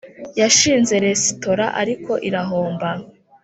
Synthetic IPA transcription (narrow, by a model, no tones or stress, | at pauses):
jaʃiːnze̞ɾe̞si̥to̞ɾa̰ʔa̰ɾiko̞ʔiɾaɦo̞ːmba